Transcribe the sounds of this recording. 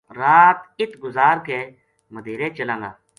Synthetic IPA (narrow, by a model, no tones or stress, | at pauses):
ɾaːt̪ɪt̪ʰɡʊzaːɾkeː | məd̪ʱeːɾẽːt͡ʃəlãːŋã̰ː